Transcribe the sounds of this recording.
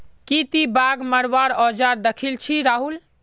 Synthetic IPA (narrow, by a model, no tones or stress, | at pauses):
kit̪ibaɡməɽʋaɾɔd͡ʒaɾd̪əkʰilt͡ʃʰiɾaɦul